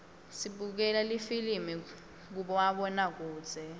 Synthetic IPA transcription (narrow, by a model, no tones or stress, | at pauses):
siɓuk̬ɛlalifilimi | k̬uɓɔwaɓɔnak̬uːdz̥ʱɛ